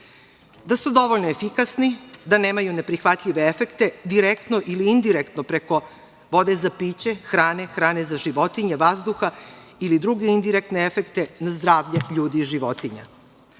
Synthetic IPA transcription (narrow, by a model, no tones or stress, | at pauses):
d̪asud̪o̞ʋoʎnoefikasnid̪ane̞ːmajune̞pɾixʋat̪ʎʲiʋe̞efe̞kt̪e̞d̪iɾekt̪noʔiliind̪iɾekt̪nopɾe̞ko̞ | ʋo̞d̪e̞zapiːt͡ɕe̞xɾaːnexɾaːnezaʒiʋo̞t̪iɲeʋazd̪uxa | ilid̪ɾuɡe̞ind̪iɾek̚t̪neefe̞kt̪e̞nazd̪ɾaːʋʎeʎuːd̪iːʒiʋo̞t̪iɲa̰